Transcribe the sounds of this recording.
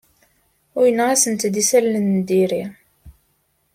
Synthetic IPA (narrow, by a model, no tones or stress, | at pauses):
ʊjənːæsənt̪d̪isælːənd̪iɾi